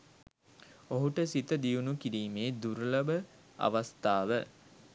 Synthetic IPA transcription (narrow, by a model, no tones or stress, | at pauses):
oɦuʈəsit̪əd̪ijunukiɾiːmeːd̪uɾlɐbə | a̰ʋast̪aːʋə